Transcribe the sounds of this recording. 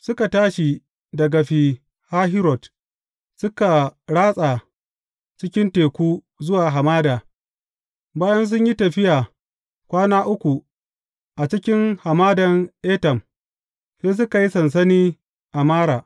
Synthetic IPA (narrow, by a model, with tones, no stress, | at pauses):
sʊ˦ka˨taː˦ʃi˨ | dɐ˨ɡa˨ɸi˨ | ha˦ɦɪ˦ɾɔ˨t | sʊ˦ka˨ɽaː˦sʼa˨ | t͡ʃɪ˦kʲɪ˦nteː˨kʷuː˦ | zʊ˦waː˨ɦa˨maː˦daː˨ | baː˦jɐ˦ns̬ʊ˦ɲji˦tɐ˨ɸɪ˦jaː˨ | kʷaː˦naː˦ʔʊ˦kʷu˨ | ʔa˨t͡ʃɪ˦kʲɪ˦ŋha˨maː˦dɐ˨ŋʔeː˦tɐ˨m | seː˦s̬ʊ˦ka˨ji˦sɐ˨ns̬ɐ˦niː˦ | ʔa˨maː˦ɾaː˨